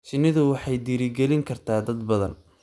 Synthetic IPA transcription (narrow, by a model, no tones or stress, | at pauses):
t͡ʃɪnɪðʊwɑħɑjd̪iːɾɪɡɛlɪŋkʰɐrt̪ʰaːd̪ɐd̪bɐðɐ̰n